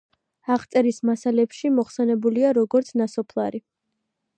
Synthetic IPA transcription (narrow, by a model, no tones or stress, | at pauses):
aχt̪sʼɛɾismasalɛpʃimɔχsɛnɛbuliaɾɔɡɔɾt̪sʰnasɔpʰlˠa̰ɾi